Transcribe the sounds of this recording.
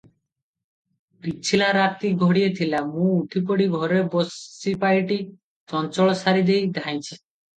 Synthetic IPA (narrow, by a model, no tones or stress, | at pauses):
pit͡ʃʰilaɾat̪iɡʱɔɽijet̪ʰilamũuʈʰipoɽiɡʱɔɾebosipajʈi | t͡ʃɔnt͡ʃɔɭɔsaɾid̪ejd̪ʱaj̃t͡ʃʰi̥